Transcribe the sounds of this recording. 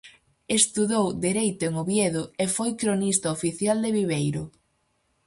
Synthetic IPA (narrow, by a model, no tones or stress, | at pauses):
est̪uðowd̪iɾejt̪ʊeŋoβjeðʊefojkɾonist̪ɐofiθjald̪eβiβejɾʊ